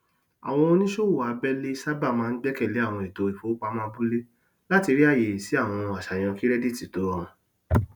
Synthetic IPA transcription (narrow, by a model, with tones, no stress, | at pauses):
a̰˨w̃ɔ̃˧o˧˦nĩ˦ʃo˦˨wu˦˨a˨˧bɛ˦le˦i˦sa˦ba˦˨mãː˦n̩˦ɡ͡bɛ˦kɛ˦˨le˨˦a˦˨w̃ɔ̃˧i˨to˧i˨fo˨˦k͡pa˧˦mã˦bu˦le˦ | la˦ti˧ɾi˦a˦˨je˨si˨˦a˦˨w̃ɔ̃˧a˨ʃa˨j̃ã˧ki˦ɾɛ˦di˦˨ti˨to˨˦ɔ˦˨ɔ̃˧